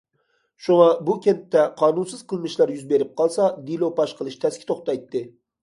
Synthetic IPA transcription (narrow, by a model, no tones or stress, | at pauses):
ʃuŋɑbukʲʰet̪ːɛqʰɑːnunsɨz̥qʰəlˠmɨʃlˠɑɾjyzbeɾɪp̚qʰɑlˠsɑd̪ilˠopɑʃqəlˠɨʃt̪ʰɛskʲʰɪ̥t̪ʰoχt̪ɑjt̪ːɨ